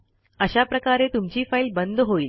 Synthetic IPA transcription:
əɕapɾəkaɾet̪umt͡ɕiːfailbənd̪ʱɦoiːl

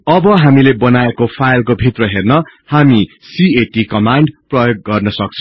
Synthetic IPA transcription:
ʌbʌɦamilebʌnaekopʰajlkobʱit̪rʌɦernʌhami | sieʈikʌmaɳɖprʌjoɡ̚ːʌrnʌsʌk̚t͡sʰʌ

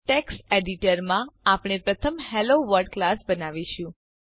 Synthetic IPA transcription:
ʈeksʈeɖiʈəɾmãapɽ̃epɾət̪ʰəmheloʋəɾɖ̚klasbənaʋiʃũ

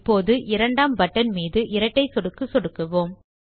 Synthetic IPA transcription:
pːoːðɯʔɪɾɐɳɖaːmbɐʈːɐnmiːðɯʔɪɾɐʈːɐɪsɔɽɯkːɯsɔɽɯkːɐʋoːm

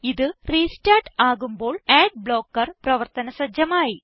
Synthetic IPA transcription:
iðɨriːstaːʈaːɣumbo̞ːɭeːɖ̚bɭo̞ːkːɐrprɐʋɐrt̪ɐnɐsɐd͡ʑjɐmaːji

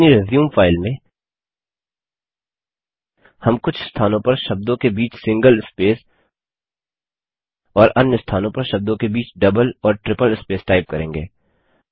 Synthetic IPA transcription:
niɾezjũːmfaːɪlmẽ | hɐmkʊt͡ʃʰɪst̪ʰaːnõpɐɾʃɐb̚d̪õkebiːt͡ʃʰsɪ̃ŋɡəlɪspeːs | ɔːɾɐnjəst̪ʰaːnõpɐɾʃɐb̚d̪õkebiːt͡ʃɖɐbəlɔːɾʈɾɪpəlɪspeːsʈaːɪp̚kɐɾẽːŋɡeː

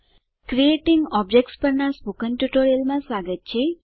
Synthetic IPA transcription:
kɾieʈiŋɡɔb̚d͡ʒek̚ʈspəɾɳaspukənʈuʈoɾijəlmãsʋaːɡət̪̚t͡ʃʰe

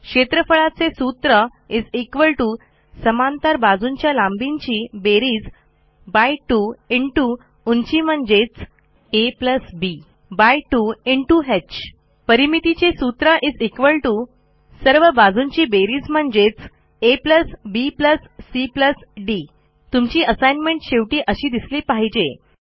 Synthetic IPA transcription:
kɕet̪ɾəfəɭat͡sesut̪ɾə | id͡zekʋəɭʈu | səmant̪əɾbad͡zuɲt͡ɕjalãmbiɲt͡ɕiːbeɾiːd͡z | bajʈuiɳʈu | uɲt͡ɕiːm̤əɳd͡ʑet͡s | epləsbi | bajʈuiɳʈuɦet͡ɕ | pəɾimit̪it͡ɕesut̪ɾəʔiːd͡zekʋəlʈu | səɾʋəbad͡zuɲt͡ɕiːbeɾiːd͡zm̤əɳd͡ʑet͡s | epləsbipləsːipləsɖi | t̪umt͡ɕiːəsajnmeɳʈɕeʋʈiːʔəɕiːd̪isliːpaɦid͡ʑe

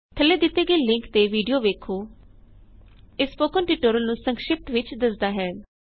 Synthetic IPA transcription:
t̪ʰəlːeːd̪ɪt̪ːeːɡəiːlɪŋkt̪eːʋiːɖijoːʋeːkʰoː | ɪspoːkənʈiːʈoːɾəlnũːsəŋkʃɪp̚t̪ʋɪt͡ʃd̪əsd̪aːɦɛː

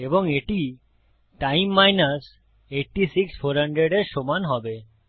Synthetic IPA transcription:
eboŋeʈi | ʈajmːajnas | eʈʈisiksfʰoɾɦaɳɖɾeɖeɾʃomanɦɔbe

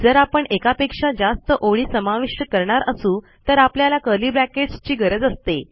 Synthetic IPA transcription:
d͡zəɾapəɳekapekʂad͡zast̪əʔoɭiːsəmaʋiʂəkəɾɳaɾəsuː | t̪əɾapljalakəliːbɾækeʈst͡ɕiːɡʱəɾəd͡zəst̪e

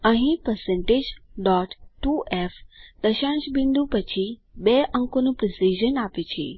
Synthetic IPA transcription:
əɦĩpəɾsẽɳʈed͡ʒɖɔʈːuʔefd̪̥əʃãʃbind̪upət͡ʃʰibeʔəŋkonũpɾɪsiʒənapet͡ʃʰḛ

